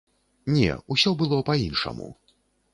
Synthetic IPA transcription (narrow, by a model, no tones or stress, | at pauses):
nʲɛ̰usʲɔbɨlˠɔpainʂɐ̰mṵ